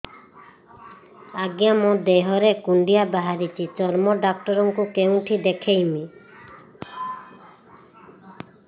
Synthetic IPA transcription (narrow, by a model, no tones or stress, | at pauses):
aɡjamod̪eɦɔɾekuɳɖijabaɦaɾit͡ʃʰit͡ʃɔɾmɔɖak̚ʈɔɾɔŋkukew̃ʈʰid̪ekʰejmi